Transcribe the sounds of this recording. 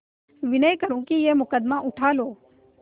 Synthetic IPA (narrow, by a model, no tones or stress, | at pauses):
ʋɪnəjkəɾũːkijeːmʊkəd̪maʔʊʈʰaːloː